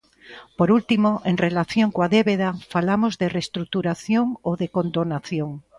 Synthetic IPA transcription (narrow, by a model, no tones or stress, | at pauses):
poɾult̪imoʔeŋrelaθjoŋkoaðeβeðafalamozðerest̪ɾuk̚t̪uɾaθjoŋoðekond̪onaθjoŋ